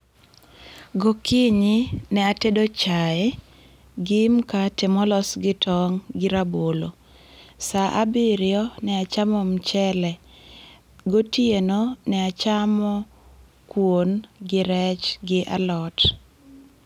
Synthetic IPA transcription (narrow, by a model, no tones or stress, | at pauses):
ɡokiɲinɛatedot͡ʃaɪ | ɡɪmkatɛmɔlɔsɡɪtɔŋɡɪɾabolo | saʔabɪɾɪɔnɛat͡ʃamɔmt͡ʃɛlɛ | ɡotjenonɛat͡ʃamɔ | kwonɡɪɾɛt͡ʃɡɪʔa̰lɔt